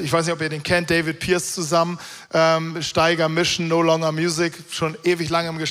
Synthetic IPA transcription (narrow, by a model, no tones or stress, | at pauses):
ʔɪçvaɪsnɪçtʔɔpiːɐdeːnkʰɛnt̚d̥eɪvɪt̚pʰiːɐst͡suzamən | ʔɛːmʃtaɪɡɐmɪʃn̩noːlɔŋɐmjuːzɪk | ʃoːnʔeːvɪçlaŋəɪmɡəʃ